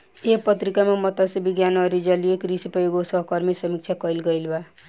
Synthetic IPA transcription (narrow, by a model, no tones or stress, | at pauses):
epʌt̪ɾikamamʌt̪asebiɡjanʌɾid͡ʒʌlijekɾisipɔoɡosʌɦkʌɾmisʌmik̚t͡ʃʰakʌilɡʌilba